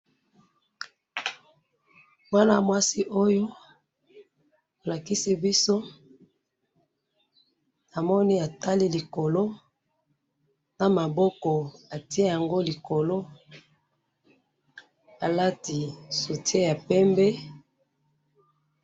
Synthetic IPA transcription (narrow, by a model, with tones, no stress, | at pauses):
wwa˦na˦mwa˦si˦ʔo˦jo˦ | o˨la˨ki˦si˦bi˦so˦ | a˨mɔ˦ni˦a˨ta˦li˦li˨ko˨lo˦ | na˨ma˨bɔ˦kɔ˨a˨ti˦e˦ja˨ŋɡo˦li˨ko˨lo˦ | a˨la˦ti˨so˨ti˦e˦ja˨pɛ˦mbɛ˦